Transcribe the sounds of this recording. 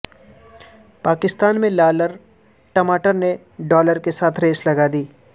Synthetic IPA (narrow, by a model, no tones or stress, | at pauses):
paːkɪst̪aːnmẽlaːləɾ | ʈɐmaːʈəɾne | ɖɔːləɾkesaːt̪ʰɾeːslɐɡad̪iː